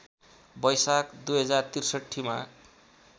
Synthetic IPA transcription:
bʌjsakd̪ujɦʌd͡zart̪irsʌʈʰːima

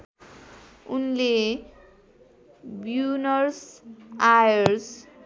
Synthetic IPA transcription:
unle | bjunʌrsajʌɾs

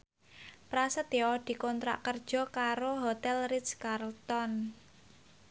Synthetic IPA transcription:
pɾasət̪jɔd̪̥i̤kɔnt̪ɾa̰ʔkərd̥ʒ̥ɔ̤kaɾoɦot̪ɛlriskarlt̪ɔn

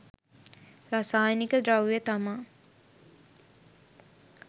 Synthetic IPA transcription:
rasaːjnikəd̪ɾawjət̪amaː

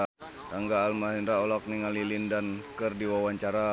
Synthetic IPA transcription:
t̪aŋɡaːlmaɦinɾaɔlɔk̚niŋalilindankɨrdiwawaɲt͡ʃaɾa

